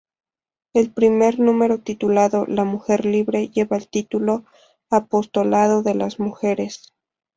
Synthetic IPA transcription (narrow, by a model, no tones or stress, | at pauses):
e̞lpɾime̞ɾnũme̞ɾo̞t̪it̪ulaðo̞lamuxe̞ɾliβɾe̞ʝeβaelt̪it̪ulo̞ | apo̞st̪o̞lað̞o̞ðe̞lazmuxe̞ɾe̞s